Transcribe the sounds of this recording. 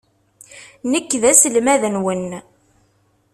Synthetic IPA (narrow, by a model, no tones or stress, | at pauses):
nəkːðæsəlmæðənwən